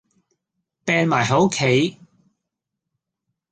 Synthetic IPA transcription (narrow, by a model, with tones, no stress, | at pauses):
pɛː˧nmaː˨˩jɦo˨˥wkʰe˨˥j